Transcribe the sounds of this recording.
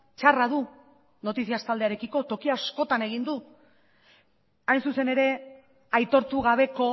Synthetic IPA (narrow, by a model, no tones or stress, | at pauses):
t͡ʃaraðu | no̞t̪isiast̪ald̪eaɾe̞kiko̞t̪o̞kiasko̞t̪ane̞ɣ̞ind̪u | ajnsuse̞ne̞ɾe̞ | ajt̪o̞ɾt̪uɣaβ̞e̞ko̞